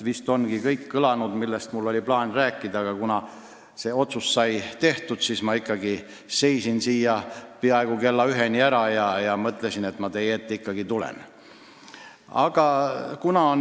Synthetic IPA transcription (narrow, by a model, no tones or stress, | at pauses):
vist̪o̞nɡ̥ikɤjkːɤlɑnud̪̥milːest̪mulːo̞lʲiplɑːnræːkːˑid̪̥ɑɡ̥ɑkunɑ | se̞ːo̞t̪sust̪sɑjt̪e̞ht̪ud̪̥siːsmɑikːˑɑɡi | se̞jsinsiːjːɑpeɑeɡ̥uke̞lːɑyɦe̞nʲiæɾɑjɑjɑmɤt̪ːˑle̞sine̞t̪mɑt̪e̞jet̪ːeikːɑɡit̪ulḛn | ɑ̰ɡ̥ɑkunɑon